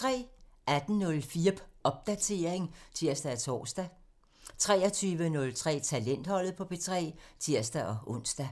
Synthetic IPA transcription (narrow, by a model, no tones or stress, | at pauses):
t͡sʰʁɛ̰ːæd̥n̩nɔ̽lfiːɐb̥ʰʔɒ̽b̥̚d̥æt͡sʰe̝ːɐ̰eŋt͡sʰiɐ̰sd̥ææt͡sʰɒ̰ːsd̥æ | t͡sʰʁɛːɒt͡sʰyːʋənɔ̽lt͡sʰʁɛ̰ːt͡sʰælen̰d̥hɒ̽l̰ð̩ˠpʰɒ̽b̥e̝t͡sʰʁɛ̰ːt͡sʰiɐ̰sd̥æʔɒ̽ʔɔ̽n̰sd̥æ